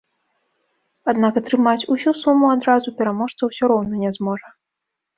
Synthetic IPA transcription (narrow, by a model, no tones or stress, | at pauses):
ad̪nakɐt̪ɾɨmat͡sʲusʲusumuad̪ɾazupʲɛɾamɔʂt̪sɐwsʲɔɾɔwnɐnʲɛzmɔʐɐ